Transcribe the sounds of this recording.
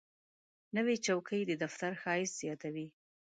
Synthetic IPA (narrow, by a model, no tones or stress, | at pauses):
nəwet͡ʃawkʰəjd̪əd̪aft̪aɾxɑɪsz̥jɑt̪awi